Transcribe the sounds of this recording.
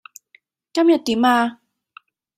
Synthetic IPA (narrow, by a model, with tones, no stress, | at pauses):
ka˥mja˨˩t̪ːi˨˦maː˧